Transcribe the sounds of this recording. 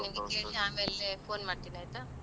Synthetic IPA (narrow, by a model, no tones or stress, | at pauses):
niʋɡekeːɭiaːme̞ːlepʰoːnmaːɽ̚t̪iːnaːjt̪ɐ